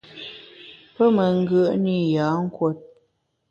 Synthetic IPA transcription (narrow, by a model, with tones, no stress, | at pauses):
pə˦mə˨ŋ̩˦ɡə˦˨ʔni˦˨ja˨˦ŋ̩˦kwo˦t̚